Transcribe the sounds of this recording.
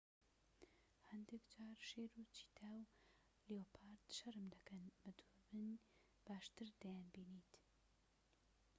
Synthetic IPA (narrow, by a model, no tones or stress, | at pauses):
hɛnd̪ekd͡ʒaːɾʃeːɾut͡ʃʰi̥t̪ʰaːw | leopʰaːɾt̪ʃɐɾɨmd̪ɐkɐnbɐt̪ʰabɨn | b̥aːʃt̪ɨɾd̪ɐjaːnbiːnit̪